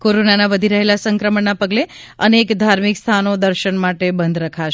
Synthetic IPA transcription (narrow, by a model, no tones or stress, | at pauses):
koɾonanaʋəd̪ʱiɾəɦelasə̃ŋkɾəməɳnapəɡle | ənekd̪ʱaɾmikst̪ʰanod̪əɾʃəɳmaʈebənd̪ɾəkʰaʃ